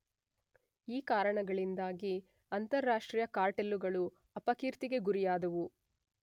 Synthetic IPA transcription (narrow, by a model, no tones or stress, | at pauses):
iːkaːɾɐɳɐɡɐɭind̪aːɡi | ɐnt̪ɐɾːaːʂʈɾiːjɐkaːɾʈelːuɡɐɭu | ɐpɐkiːɾt̪iɡe̞ɡuɾijaːd̪ɐʋu